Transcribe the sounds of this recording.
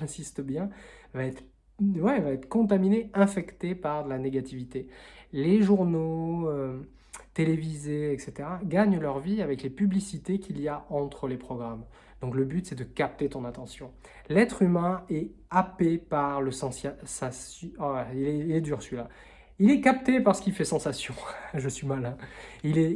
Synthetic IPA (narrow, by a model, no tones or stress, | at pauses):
ɛ̃sist̪əbjɛ̃vaɛt̪χ | vwɛvaɛt̪χə̥kɔ̃t̪̬amineɛ̃fɛkt̪epaʁlaneɡat̪ivit̪eleʒuʁnoø | t̪elevizeɛkset̪eʁaɡaɲlœʁviavɛklepyblisit̪ekʲiljaʔɑ̃t̪χəlepχɔɡʁam | d̪̥ɔ̃kləbyt̪sɛd̪əkap̚t̪et̪ɔ̃nat̪ɑ̃sjɔ̃ | lɛt̪χymɛ̃ɛapepaʁləsɑ̃sasas | ilɛilɛd̪yːʁsɥila | ilɛkap̚t̪epaʁsə̥kilfɛsɑ̃sasjɔ̃ʒəsɥimalɛ̃ilɛ